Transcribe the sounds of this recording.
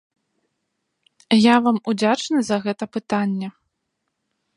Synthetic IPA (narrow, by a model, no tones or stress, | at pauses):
javamud͡zʲat͡ʂnɨzɐɣɛt̪ɐpɨt̪anʲːɛ